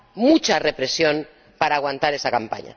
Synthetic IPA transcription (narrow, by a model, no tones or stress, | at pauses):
mut͡ʃare̞pɾe̞sjo̞n | paɾaːɣwant̪aɾe̞sakampa̰ɲa̰